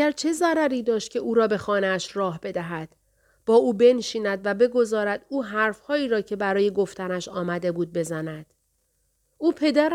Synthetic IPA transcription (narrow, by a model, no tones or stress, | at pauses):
æɾt͡ʃʰe̞zæɾæɾiːd̪ɒːʃt̪̚cʰe̞ʔuːɾɒːbe̞xɒːneæʃrɒːɦb̥e̞d̪æɦæd̪̥ | b̥ɒːuːbe̞nʃiːnæd̪væbe̞ɡo̞zɒːɾæd̪uːɦæɾfhɒːiːɾɒːcʰe̞bæɾɒːje̞ɡo̞ft̪ænæʃɒːmæd̪e̞buːd̪̚be̞zænæd̪̥ | uːpʰe̞d̪æɾ